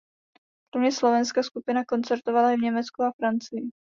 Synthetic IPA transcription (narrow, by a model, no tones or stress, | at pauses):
ɾomɲɛslo̞vɛnskaskupɪnako̞nt͡sɛɾt̪o̞valajɛvɲɛmɛt͡skuafɾant͡sɪjɪ